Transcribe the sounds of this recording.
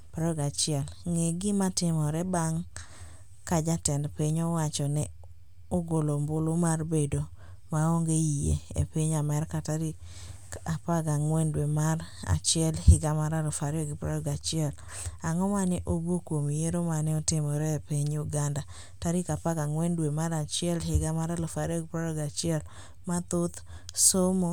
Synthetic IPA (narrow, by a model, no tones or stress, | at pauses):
pɾɔɔɡat͡ʃɪɛlŋeɡɪmatɪmɔɾɛbaŋ | kad͡ʒatɛndpiɲɔwat͡ʃɔnɛ | oɡolombʊlomarbedo | maoŋɡeijḛḛpiɲamɛɾkataɾi | apaɡaŋwɛndwemaɾa̰t͡ʃɪɛlhɪɡamaɾalɔfaɾjɔɡɪpɾɔɾɔɡat͡ʃɪɛl | aŋɔmanɛʔobokwomijeɾomanɛɔtɪmɔɾɛpiɲʊɡanda | taɾɪkapaɡaŋwɛndwemaɾat͡ʃɪɛlhɪɡamaɾalofaɾjɔɡɪpɾɔɾɔɡat͡ʃɪɛl | mat̪ʊt̪ | somo